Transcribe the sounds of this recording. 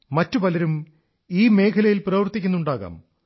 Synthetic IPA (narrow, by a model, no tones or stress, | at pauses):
mɐtːupɐlɐɾum | iːme̞ːkʰɐlɐjilprɐʋɐrt̪ːikʲːunːuɳɖaːɣa̰ːm